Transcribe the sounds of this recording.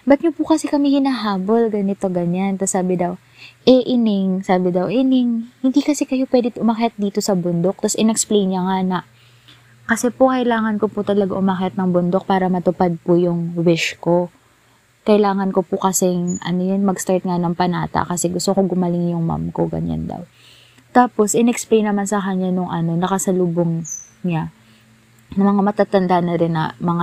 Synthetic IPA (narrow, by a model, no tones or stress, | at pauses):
bɐt̪̚ɲopʊkɐsɛkɐmɛhɪnaɦaːbo̞lɡɐnɪt̪o̞ɡɐɲant̪ɐsaːbɪd̪ɐw | ʔɛʔɪnɪŋsaːbɪd̪ɐwʔɪnɪŋhɪnd̪ikɐsɛkɐjo̞pwɛːd̪ɪʔʊmɐkat̪̚d̪iːt̪o̞sɐbʊnd̪o̞k̚t̪ɐsʔɪnɛksplejnɲɐŋanɐ | kɐsɛpokɐʔɪlaːŋɐnkopʊt̪ɐlɐɡaʔʊmɐkɐt̪nɐŋbʊnd̪ok̚paːɾɐmɐt̪ʊpad̪̚pʊjʊŋwɪʃko̞ | kɐjlaːŋɐnkopʊkɐsɛŋʔɐnojɐnmɐɡst̪aɹt̪̚ŋanɐŋpɐnaːt̪ɐ̰ʔkɐsɛɡʊst̪okoɡʊmɐlɪŋjʊŋma̰mkoɡɐ̰ɲa̰nd̪ɐ̰w | t̪aːpo̞sʔɪnɛksplejnːɐmansɐkɐɲanʊŋʔɐno̞nɐkɐsɐluːboŋ | ɲa | nɐmɐŋamɐt̪at̪ɐnd̪anɐɾɪnːɐ̰mɐŋa